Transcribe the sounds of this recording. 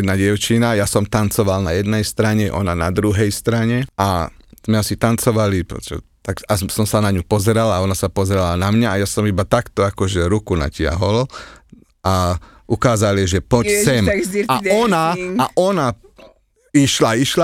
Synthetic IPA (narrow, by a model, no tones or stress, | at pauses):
ɛd̪naɟɪɛʊt͡ʃinajasɔmt̪ant͡sɔʋalnajɛd̪nɛjst̪ɾaɲɛʔɔ̰nana̰d̪ɾuɦɛjst̪ɾaɲɛaz̥mɛasit̪ant͡sɔʋalipɾɔ̰sɛ̰t̪akasɔmsanaɲupɔzɛɾalaaɔnasapɔzɛɾalanamɲaːjasɔmibat̪akt̪ɔakɔʒɛɾukuna̰cɪa̰ɦɔl | a | ʔukaːzaliʒɛpɔsɛmaɔnaaʔɔna | iʃlaiʃla